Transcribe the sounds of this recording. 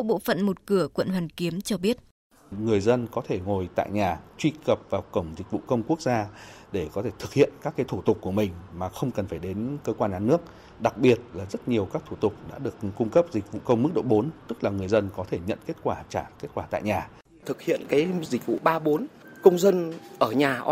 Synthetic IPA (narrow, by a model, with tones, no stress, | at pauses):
ɓo̰˧˨fə̰˧˨nmo˨˩t̚kɨ˧˩əkwə̰˧˨nɦwaː˨˩nki˨˦əmt͡ɕɔ˧ɓi˦˥ət̚ | ŋɨ˨˩əjzə˧nkɔ˨˦t̪ʰe˧˩ŋo˨˩jt̪a̰ː˧˨jɲaː˨˩t͡ɕwi˧kə˨˩p̚vaː˨˩wkə˧˩wŋ͡mzï˨˩k̟̚vṵ˧˨kə˧wŋ͡mku˦˥ək̚zaː˧ɗe˧˩kɔ˨˦t̪ʰe˧˩t̪ʰɨ˨˩k̚hḭ˧˨ənkaː˦˥kːaː˨˦jt̪ʰu˧˩t̪ʊ˨˩k͡p̚ku˧˩əmï˨˩ŋ̟maː˨˩xə˧wŋ͡mkə˨˩nfaː˧˩jɗe˨˦nkəː˧kwaː˧nʔaː˧˩nːɨ˦˥ək̚ | ɗa˨˩k̚ɓi˨˩ət̚laː˨˩zə˦˥t̚ɲi˨˩əwkaː˦˥k̚t̪ʰu˧˩t̪ʊ˨˩k͡p̚ɗa̰ː˧˥ɗɨ˨˩ək̚kʊ˧ŋ͡mkə˦˥p̚zi˨˩k̟̚vṵ˧˨kə˧wŋ͡mmɨ˦˥k̚ɗo̰˧˨ɓo˨˦nt̪ɨ˦˥k̚laː˨˩ŋɨ˨˩əjzə˧nkɔ˨˦t̪ʰe˧˩ɲə̰˧˨nke˦˥t̚kwaː˧˩t͡ɕaː˧˩ke˦˥t̚kwaː˧˩t̪a̰ː˧˨jɲaː˨˩ | t̪ʰɨ˨˩k̚hḭ˧˨ənkaː˨˦jzi˨˩k̟̚vṵ˧˨ɓaː˧ɓo˨˦n | kə˧wŋ͡mzə˧nʔəː˧˩ɲaː˨˩ʔ